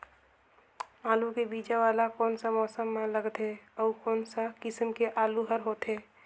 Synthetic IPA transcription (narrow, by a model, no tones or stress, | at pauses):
aːlukebiːd͡ʒaʋaːlakɔːnsamɔːsəmːãləɡt̪ɦeɔːkɔːnsakɪsəmkeʔaːluɦəɾɦoːt̪ɦeː